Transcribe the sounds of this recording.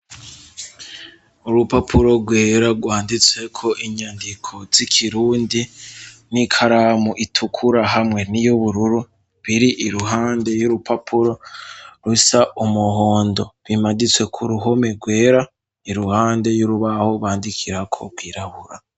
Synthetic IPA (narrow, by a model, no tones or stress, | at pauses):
uɾupapʰuɾo̞ɡwe̞ːɾaɡwaːndit͡se̞kʰo̞ʔiɲaːndikʰo̞zikʰiɾuːndinikʰaɾamuʔitʰukʰuɾaɦamŋe̞nijuβuɾuɾu | βiɾiʔiɾuɦaːnde̞juɾupʰapʰuɾo̞ɾusaʔumuɦoːndo̞βimadit͡swe̞kʰuɾuɦo̞me̞ɡwe̞ːɾa | iɾuhaːnde̞juɾuβahoβaːndikʰiɾakʰo̞̰ɡɡwiːɾaβuɾa